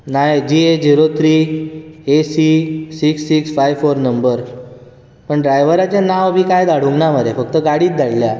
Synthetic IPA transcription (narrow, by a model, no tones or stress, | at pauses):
najd͡ʑied͡ʑiɾot̪ʰɾiː | esisiksːiksfajʋfoɾnəmbəɾ | pəɳɖɾajʋəɾat͡ɕjanaʋbʱiːkajd̪aɽ̤uŋɡnaməɾefək̚t̪əɡaɽiːt̪̚d̪aɽlja